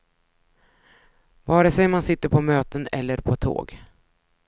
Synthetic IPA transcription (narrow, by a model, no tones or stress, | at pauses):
vɑːɖɛsɛjmansɪt̪ːəɾpʰɔmøːt̪ənɛ̰lːəɾpʰɔt̪ʰo̰ːɡ